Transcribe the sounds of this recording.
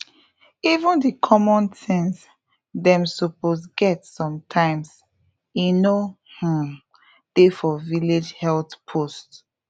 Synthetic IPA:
ivũndikʰɔmɔ̃ntɛ̃ns | dɛ̃msoposɡɛtsɔ̃mtʰãɪ̃ms | ino | hu | d̥efɔviled͡ʒhɛltpʰost

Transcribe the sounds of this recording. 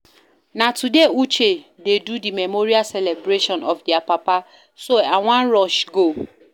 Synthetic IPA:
nãtʰudeut͡ʃededudimɛmoɾiasɛlɛbɾeʃɔ̃nɔfdiapapa | soaw̃ãnɹɔʃɡo

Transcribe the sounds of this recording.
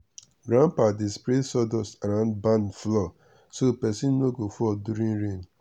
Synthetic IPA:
ɡɾãnpadispɾesɔdɔsaɾãʊ̃ndbãnflɔ | sopɛsĩnːoɡofɔduɾĩŋɾẽn

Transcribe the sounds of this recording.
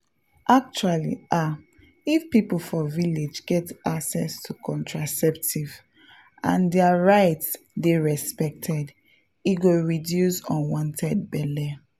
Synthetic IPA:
ʔak̚t͡ʃualḭʔa | ifpipl̩fɔviled͡ʒɡɛtaksɛstʰukʰɔ̃ntʰɹasɛptʰiv | ãndɛaɹaɪts | deɹɛspɛk̚tʰɛd | iɡoɹidjusɔ̃nwɔ̃ntʰɛd̚bɛlɛ

